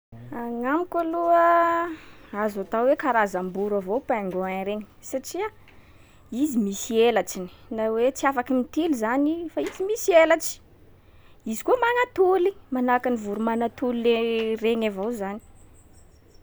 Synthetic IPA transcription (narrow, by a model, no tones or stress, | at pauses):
aŋamikaluə | azat̪awwekaɾazambuɾavowpaŋɡoanɾeŋsaʈ͡ʂia | izimisielaʈ͡ʂini̥nawet͡siafakimit̪ilizanifait͡simisielaʈ͡ʂi̥ | izi̥kuəmanat̪ulimanakanivuɾumanat̪uliereŋavowzani̥